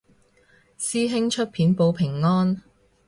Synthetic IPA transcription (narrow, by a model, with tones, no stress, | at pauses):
siː˥ɦɪ˥ŋt͡ʃʰɵ˥t̚pʰiː˨˥npo˨˧wpʰɪ˨˩ŋːɔː˥n